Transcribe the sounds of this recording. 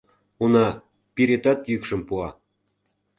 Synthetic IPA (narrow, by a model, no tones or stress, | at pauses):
unɑ | piɾet̪ɑt̪jykʃə̆mpuɑ